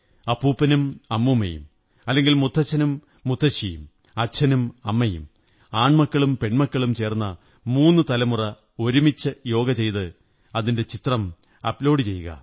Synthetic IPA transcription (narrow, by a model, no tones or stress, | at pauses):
ɐpːuːpːɐnumɐmːumɐ̰jṵm | ɐlːe̞ŋɡilmut̪ʰːɐt͡ɕʰːɐnumː | ut̪ʰːɐt͡ɕːijṵm | ɐt͡ɕʰːɐnumɐmːɐjṵm | aːɳmɐkːɐɭumpe̞ɳmɐkːɐɭumt͡ɕe̞ːrnːɐ | muːnːɨt̪ɐlɐmurɐ | o̞ɾumit͡ɕːɐjo̞ːɡɐt͡ɕe̞jt̪ɨ | ɐðinde̞t͡ɕit̪rɐm | ɐ̰plo̞ːɽɖɨt͡ɕe̞jːuɣɐ̰